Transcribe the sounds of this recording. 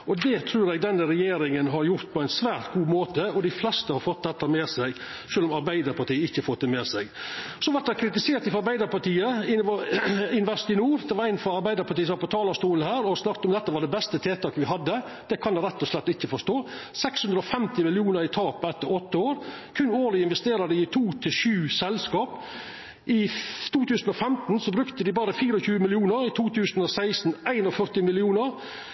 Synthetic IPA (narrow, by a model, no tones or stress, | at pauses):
ʔɔd̪ɛt̪ʰɾʉːɾɛɡd̪ɛnːəɾɛjeːɾɪŋənɦɑɾjʊɾt̪̚pʰɔæɪnsʋæːɾt̪ɡuːmoːt̪əɔd̪ɪflɛst̪əhɑɾfɔt̪̚d̪ɛt̪ːəmeːsɛɡ | ʃøːlɔmɑɾbæɪd̪əɾpɑʈiːəɪçːəfɔt̪ːɛmɛːsɛɡ | sɔʋɑʈ̪̚d̪ækʰɾɪt̪ɪseːɾt̪ɪfɑɾbæɪd̪əɾpɑʈiːəɪn | ɪnʋɛst̪ɪnuːɾd̪ɛʋɑɾæɪnfɾɔɑɾbæɪd̪əɾpʰɑʈiːəsɔʋɑpɔt̪ʰɑːlɑst̪uːlənhæːɾɔsnɑkt̪ɔmd̪ɛt̪ːəʋɑɖɛbɛst̪ət̪ʰeːt̪ɑːkʋɪɦɑd̪ːə | d̪̥ɛkʰɑnd̪ɛɾɛt̪ːɔslɛt̪ːɪçːəfɔʂt̪oːsɛkshʉnd̪ɾəɔfɛmt̪ɪmɪlɪuːnəɾɪt̪ʰɑːpɛt̪ːəɾɔt̪ːəoːɾ | kʰʉnːoːlɪɪnʋɛst̪eːɾɑd̪ɪɪt̪ʰuːt̪ʰɪʃʉːsɛlskɑːp | ʔɪt̪ʰuːt̪ʉːsn̩ɔfɛmt̪n̩sɔbɾʉkt̪əd̪ɪbɑːɾəfiːɾɔçʉːəmɪlɪuːnəɾɪt̪ʰuːt̪ʰʉːsnɔsæɪsn̩æɪnɔfœɾt̪ɪmɪlɪuːnəɾ